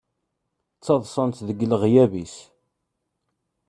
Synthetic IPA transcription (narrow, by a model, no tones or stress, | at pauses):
t͡sːɑðˤsˤənt̪ðəɡəlʁjævis